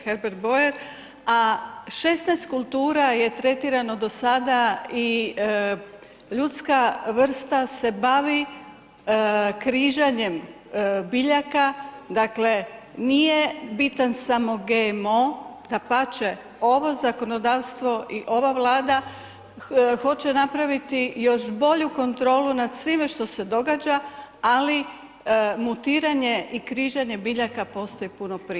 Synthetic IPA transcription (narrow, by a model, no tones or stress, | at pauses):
xeɾbeɾbo̞eɾ | aʃe̞snajst̪̚kulˠt̪uːɾaje̞t̪ɾe̞t̪iɾano̞d̪o̞sad̪ai | ʎut̪skaʋr̩st̪ase̞baʋi | kɾiʒaɲe̞m | biʎakad̪akle̞ | nije̞bit̪ansamo̞ɡemod̪̥apat͡ʃe | o̞ʋo̞zako̞no̞d̪aːʋst̪ʋo̞ʔiʔo̞ʋaʋlˠaːd̪a | xo̞t͡ɕenapɾaʋit̪ijo̞ʃbo̞ʎuko̞nt̪ɾo̞ːlunad̪sʋimeʃt̪o̞se̞d̪o̞ɡaːd͡ʒaali | mut̪iːɾaɲe̞ʔikɾiʒaɲebiʎakapo̞st̪o̞ipuno̞pɾi